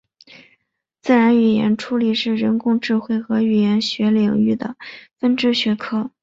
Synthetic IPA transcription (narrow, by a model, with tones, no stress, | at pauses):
t͡sɹ̩˥˩ɻa˧˥ny˨˩jɛ̰˧˥nʈ͡ʂʰu˧˥li˨˩ʂɻ̩˥˩ɻə˧˥nkʊ˥˧ŋʈ͡ʂɻ̩˥˧xwe˥˩ɪxɤ˧˥y˨˩jɛ˧˥nɕɥɛ˧˥li˨˩ŋy˥˩d̪ə̰˩fə˥nʈ͡ʂɻ̩˥ɕɥɛ˧˥kʰɤ˥˩